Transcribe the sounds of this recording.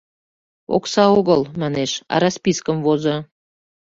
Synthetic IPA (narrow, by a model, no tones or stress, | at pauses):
o̰ksɑoɣəlmæneʃɑ̰ɾɑspiskəmvozɤ̆